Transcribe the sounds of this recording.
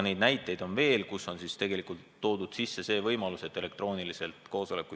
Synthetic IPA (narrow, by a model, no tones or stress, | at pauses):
ne̞jd̪̚næjt̪ːˑe̞jd̪̥o̞nve̞ːlkusːo̞nsist̪e̞ɡe̞likˑult̪ːo̞ːd̪̥ud̪̥sisːe̞se̞ːvɤjmɑluse̞t̪ːˑe̞le̞k̚t̪ro̞ːnilise̞lt̪ko̞ːso̞le̞kːˑu